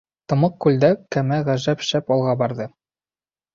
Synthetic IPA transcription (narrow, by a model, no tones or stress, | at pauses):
t̪ɤ̆mɤq̚kːʉld̪ækæmæʁæʒæpʃæpɒlˠʁɑbɑɾðɤ